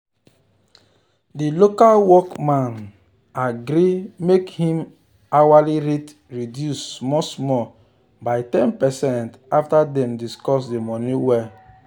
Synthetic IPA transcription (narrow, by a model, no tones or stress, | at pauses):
dilokalwɔkmãn | aɡɾimekhĩm | awaliɾet | ɹidjusmɔsmɔ | baɪtɛ̃npɛsɛ̃ntaftadɛ̃mdiskɔs̬demɔniwɛ